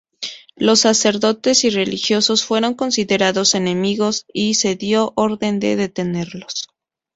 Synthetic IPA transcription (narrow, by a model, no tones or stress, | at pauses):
lo̞sːase̞ɾðo̞t̪e̞sire̞lixjo̞so̞sfwe̞ɾo̞ŋko̞nsiðe̞ɾaðo̞se̞ne̞miɣo̞sise̞ðjo̞ʔoɾðe̞nd̪e̞̰ðe̞t̪e̞ne̞ɾlo̞s